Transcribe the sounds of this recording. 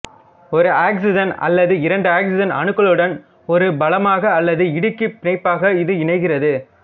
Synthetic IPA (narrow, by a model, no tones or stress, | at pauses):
ɔɾɯaːksɪd͡ʒɐnɐ̰lːɐðɯɪɾɐɳɖɯaːksɪd͡ʒɐnɐ̰ɳɯkːɐɭɯɽɐn | ɔɾɯbɐlɐmaːɣɐːlːɐðɯɪɽɯkːɯpːɪnɐɪpːaːɣɐɪðɯɪɳɐɪɣɪrɐðɯ